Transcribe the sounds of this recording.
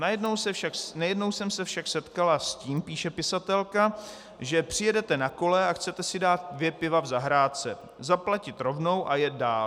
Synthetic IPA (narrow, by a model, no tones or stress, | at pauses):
najɛdnowsɛaknajɛdno̞wsɛmsɛfʃaksɛt̪kalasciːmpiːʃɛpɪsat̪ɛlka | ʒɛpr̥ɪjɛdɛt̪ɛnako̞lɛaxt͡sɛt̪ɛsɪdaːt̪̚dvjɛpɪvavzaɦɾaːt͡sɛ | zaplacɪt̪ɾo̞vno̞wʔajɛt̪̚daːl